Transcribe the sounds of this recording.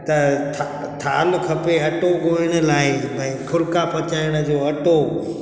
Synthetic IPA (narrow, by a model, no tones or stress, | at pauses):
t̪ɐt̪ʰa | t̪ʰa̰ːlkʰɐpeɐʈoɡoːɪɽ̃ə̆laːɪmɛ̃ːkʰʊɾkapɐt͡ɕaːɪɽ̃ə̆d͡ʑoːɐʈo